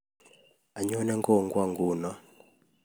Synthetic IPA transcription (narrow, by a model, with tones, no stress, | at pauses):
a˨ɲɔ˦nɛ˦ŋkɔ˦ŋɡwa˦ŋɡuː˨na˦